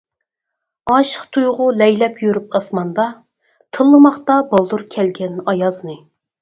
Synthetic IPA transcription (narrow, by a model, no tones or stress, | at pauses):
ɑʃə̥χt̪ʰujʁʊlɛjlɛpʰjyɾypʰɑsmɑnd̪ɑ | t̪ʰɨlˠːɨmɑχt̪ɑbɑlˠd̪uɾkʲʰɛlɡʲɛnɑjɑznɨ